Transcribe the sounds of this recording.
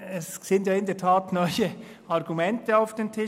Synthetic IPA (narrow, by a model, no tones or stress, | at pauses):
ɛssɪntjɑːɪndeɐtʰaːtnɔʏə | ɑʁɡumɛntəaʊfd̥eːntʰɪ